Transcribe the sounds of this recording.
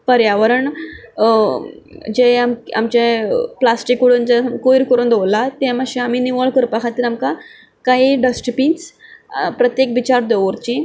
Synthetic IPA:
pəɾjaʋəɾəɳ | d͡ʑeamka̰mt͡ɕẽplasʈikːuɽund͡zəkojiɾkəɾuːnd̪olat̪ẽməɕẽamiːniʋəɭkəɾpakʰat̪ːiːɾamka | kaɦiɖəsʈpiːnt͡spɾət̪jekʋit͡ɕaɾd̪eʋəɾt͡ɕĩ

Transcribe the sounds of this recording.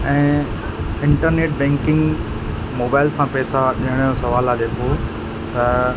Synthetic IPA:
ɛ̃ː | ɪ̃ɳʈəɾneːʈ̚bɛ̃ːŋkɪ̃ŋɡ | moːbaːɪlsãpɛːsaɗiɦəɽ̃josɐʋaːlaːd͡ʑeːko | t̪ɐ

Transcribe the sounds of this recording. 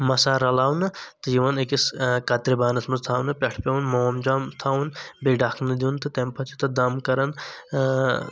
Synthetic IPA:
mɐsaːɾɐlaːwnɨt̪ɨjiʋɐnekiskɐt̪ɾibaːnɐsmɐzt̪ʰaːwnɨpʲɛʈʰpʲewunmɐwɐmd͡ʒamt̪ʰaːwunbeɖakʰnɨd̪ʲint̪ɨt̪empʰɐt͡ʃʰit̪ɐd̪ɐmkɐɾɐn

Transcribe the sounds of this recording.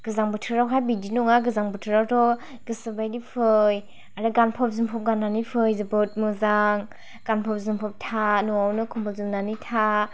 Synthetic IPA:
ɡ̥ɯzaŋbɯtʰɯɾawɦajbidinɔŋaɡɯzaŋbɯtʰɯɾawtʰɔ | ɡ̥ɯsɯbajdipʰɯj | aɾɯɡanpʰɔp̚zɯmpʰɔp̚ɡanːanipʰɯjzɯbɯt̚mɯzaŋ | ɡ̥anpʰɔp̚zɯmpʰɔp̚tʰanɔawnɯkʰumpʰɯlzɯmnanitʰa

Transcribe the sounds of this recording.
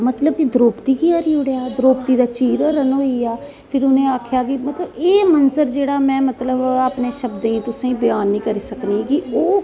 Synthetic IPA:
mət̪ləb̚kid̪əɾoːpt̪iːkiaːɾiːʊɽjaːd̪ɾoːpt̪iːd̪aːt͡ʃiːɾɾənɦoːiːaː | pʰɪɾʊnẽːaːkʰjaːkɪmət̪ləbeːmənsəɾd͡ʒeːɽaːmɛ̃ːmət̪ləbaːpneːʃəbd̪eĩːt̪ʊsẽːĩːbɪjaːnːĩːkəɾiːsəkniːkɪoː

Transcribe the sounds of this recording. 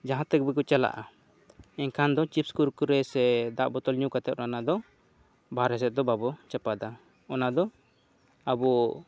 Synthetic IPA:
d͡ʒaɦãt̪ɛk̚bɛkut͡ʃala̰ʔa | ɛɲkʰand̪ɔt͡ʃipskulkuɾɛsɛd̪aʔbɔt̪ɔlɲukat̪ɛʔ̪̚ɾanad̪ɔ | bʱaɾɛs̬ɛt̪̚d̪ɔbabɔt͡ʃɛpad̪a | ɔnad̪ɔ | abɔ

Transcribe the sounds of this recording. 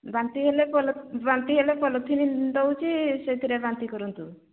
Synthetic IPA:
bant̪iɦelepɔlbant̪iɦelepɔlɔt̪ʰinind̪ɔwt͡ʃʰiset̪ʰiɾebant̪ikɔɾɔnt̪u

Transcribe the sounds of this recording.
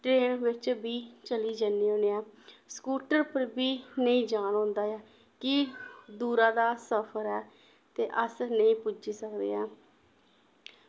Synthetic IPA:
ʈɾeːnʋɪt͡ʃbiːt͡ʃəliːd͡ʒanːiːoːneːaːskuːʈəɾpəɾbiːnəĩːd͡ʒaːnõːnd̪aːɛː | kɪd̪uːɾaːd̪aːsəpʰəɾɛː | t̪eːʔəsnəĩːpʊd͡ʒiːsəkd̪ḛːaː

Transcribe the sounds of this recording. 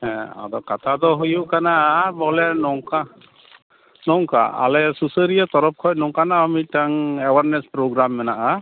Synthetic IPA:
ɦɛ̃a̰d̪ɔkat̪ʰad̪ɔɦujuʔkanabɔlɛnɔŋka | nɔŋka̰a̰lɛsusəɾijat̪ɔɾɔp̚kʰɔjnɔŋkanaamitaŋɛwaɾnɛspɾoɡɾamːɛnaʔa

